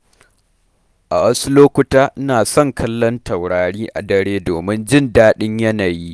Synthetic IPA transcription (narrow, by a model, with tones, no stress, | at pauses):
ʔa˨wɐ˦su˦loː˦kʷʊ˦taː˦ʔnaː˨sɔ˦˨ŋkʰɐ˦lːɔ˦ntɐ˨wɽaː˨ɽiː˦ʔa̰˨dɐ˦ɽeː˦doː˨mɪ˦nd͡ʒɪ˦ndaː˦ɗɪ˦ɲjɐ˦naː˨jiː˦